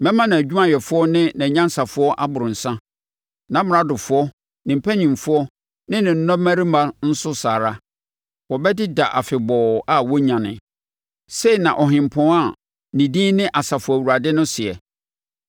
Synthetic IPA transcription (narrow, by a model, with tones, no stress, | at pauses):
mɛ̃˦mã˦nã˨æ˨d͡ʑᶣu˦mã˦jɛ˨fʊ˦ɔ˦nɪ̃˦nɛ̃˨ɲã˦n˦sa˨fʊ˦ɔ˦ʔa˦bʊ˨ɾʊ̃˨n̩˨sã˦ | nã˨˦m˨ɾa˦dʊ˨fʊ˦ɔ˦ | nɪ̃˨m̩˨pʰæ˦ɲĩ˨mfʊ˦ɔ˦ | nɪ̃˦nɪ̃˨n̩˦nɔ̃˦mæ̃˦ɾi˦ma˦ɾn̩˦sʊ˦saː˨ɾa˦ | wɔ˨bɛ˦dɪ˦da˨ʔa˨fɪ˨bɔ˨a˦˨wɔ˦ɲã˨nɪ̰̃˨ | se˦i˨nã˨ʔɔ˨ɦɪ̃˨m̩˨pʰɔ̃˨˦a˦˨ | nĩ˨dĩː˦nɪ̃˦ʔa˨sa˨fʊ˨˦˨wu˨a˨dɪ˦nʊ̃˦sɪ˨ɛ̰˨